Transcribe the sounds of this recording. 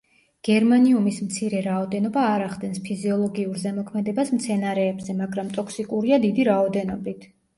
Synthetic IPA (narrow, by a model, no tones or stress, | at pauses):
ɡ̥ɛɾmaniumismt̪sʰiɾɛɾaɔd̪ɛnɔbaːɾaχd̪ɛnspʰiziɔlˠɔɡiuɾzɛmɔkʰmɛd̪ɛbasmt̪sʰɛnaɾɛːbzɛmaɡɾamt̪ʼɔkʰsikʼuɾiad̪id̪iɾaɔd̪ɛnɔbit̪ʰ